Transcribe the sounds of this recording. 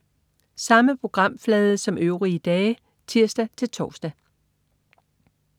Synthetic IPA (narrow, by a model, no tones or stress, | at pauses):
sɑ̈məpʰʁo̝ɡ̥ʁɑ̈m̰flɛːð̞ˠəsɒ̽møʊʁid̥ɛː | t͡sʰiɐ̰sd̥æt͡sʰe̝lt͡sʰɒːsd̥ɛ